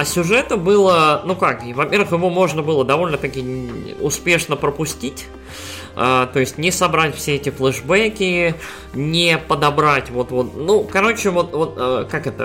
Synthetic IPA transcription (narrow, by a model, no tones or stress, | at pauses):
ɐsʲʊʐɛt̪ɨbɨlˠənukakvɐpʲeɾvɨxjɪvo̞mo̞ʐnəbɨlˠəd̪ɐvo̞lʲnət̪ɐkʲiʊspʲe̞ʂnəpɾəpʊsʲtʲitʲ | ət̪o̞ɪsʲtʲnʲɪsɐbɾatʲfsʲeɛtʲɪflˠɛʐbɛkʲɪ | nʲɪpəd̪ɐbɾatʲvo̞t̪vo̞t̪nukɐɾo̞t͡ɕɪvo̞t̪vo̞t̪̚əkakɛt̪ə̰